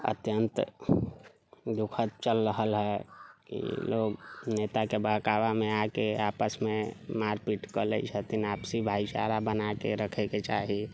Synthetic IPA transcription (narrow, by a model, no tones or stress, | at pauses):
ə̰t̪jənt̪ | d̪ukʰət̪̚t͡ʃəlɾəɦəlɦɛkḭloːɡnet̪akebəɦkawameakeapəsmemaɾpiʈkəlɛ̰t͡ʃʰət̪inapsibʱait͡ʃa̰ɾabənakḛɾəkʰɛket͡ʃaɦi